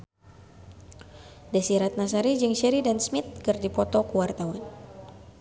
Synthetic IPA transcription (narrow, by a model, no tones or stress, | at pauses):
dasiɾat̪̚nas̬aɾid͡ʒɨŋʃɛɾidansmit̪̚kɨrdipɔt̪ɔkuwart̪awan